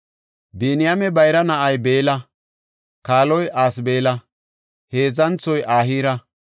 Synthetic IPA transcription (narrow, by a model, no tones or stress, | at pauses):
biːnɪjamɛbɐjɾɐnɐʔɐjbe̞ːlɐ | kaːlɔjʔaːsbe̞ːlɐ | he̞ːzɐnt͡sɔjʔaːɦiːɾɐ